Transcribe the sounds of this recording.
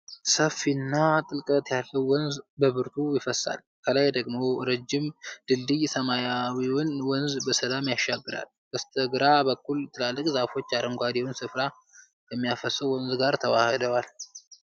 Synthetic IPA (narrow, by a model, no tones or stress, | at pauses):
səfinːat̪ʼɨlkʼət̪jalːəwːɔnzbəβɨɾt̪ʰujɪfəsːa̰l | kʰəlajd̪əɡmo̞ɾəd͡ʒːɪmd̪̥ɨld̪ɨjsəmajawiwɔnwɔnzbəsəd̪amjaʃːaɡːɨɾa̰l | kəst̪ʰəɡɨɾabəkːult̪ʰɨlalːɨkʼzafo̞t͡ʃːaɾəŋɡʷad̪iwnsɨfɾa | jɛmːijafəsəwɔnzɡaɾt̪ʰəwahɨd̪əwal